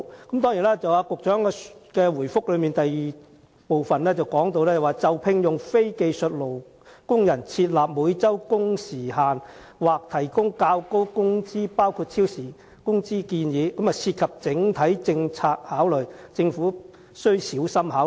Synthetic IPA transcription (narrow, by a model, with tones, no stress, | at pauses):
kɐ˨˥mt̪ɔː˥ŋji˨˩nɛː˥t͡sɐ˨waː˨˧kʊ˨k̚t͡ʃœː˨˥ŋkɛ˧kɛː˧wuː˨˩jfʊ˥k̚lɵ˨˧ɥmiː˨nt̪ɐ˨jiː˨ | po˨˧wfɐ˨nɛː˥t͡sɐ˨˩wkɔː˨˥ŋt̪o˧wlɛː˥t͡sɐ˨˩waː˨t͡sɐ˨wpʰɪ˧ŋjʊ˨ŋfe˥jke˧jsɵ˨t̚lo˨˩w | kʊ˥ŋjɐ˨˩nt͡sʰiː˧t̚laː˨p̚muː˨˧˥jt͡sɐ˥wkʊ˥ŋsiː˨˩ɦaː˨n | waː˨k̚t̪ʰɐ˨˩jkʊ˥ŋkaː˧wko˥wkʊ˥ŋt͡siː˥paː˥wkʰuː˧t̚t͡sʰiː˥wsiː˨˩ | kʊ˥ŋt͡siː˥kiː˧njiː˨˧kːmjɐ˨sʰiː˧t̚kʰɐ˨p̚t͡sɪ˨˥ŋt̪ʰɐ˨˥jt͡sɪ˧ŋt͡sʰaː˧k̚haː˨˥wlɵ˨˩t͡sɪ˧ŋfuː˨˥ | sɵ˥ɥsiː˨˥wsɐ˥mhaː˨˥